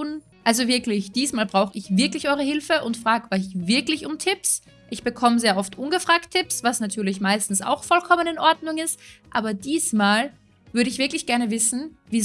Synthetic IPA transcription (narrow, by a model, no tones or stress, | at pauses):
n | ʔalzovɪɐklɪçd̥iːsmaːlbʁaʊxəɪçv̥ɪɐklɪçʔɔʏʁəhɪlfəʔʊntfʁ̥aːkʔɔɪçvɪɐklɪçʊmtʰɪps | ʔɪçb̥əkʰɔməzeːɐʔɔftʔʊnɡəfʁ̥aːk̚tʰːɪpsv̥asnatʰyːɐlɪç̬maɪstn̩sa̰ʊxfɔlkʰɔmənɪnʔɔɐdnʊŋɪstʔa̰ːbɐdiːsmaːl | vʏɐɾəɪçv̥ɪɐklɪçɡ̥ɛɐnəvɪsn̩viː